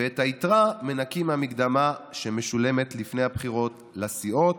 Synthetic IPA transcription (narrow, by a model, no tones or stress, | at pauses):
veethaitʁame̞nakimhamikd̪amaʃeme̞ʃule̞me̞tlifne̞jhabχiʁo̞t | lasiʔo̞t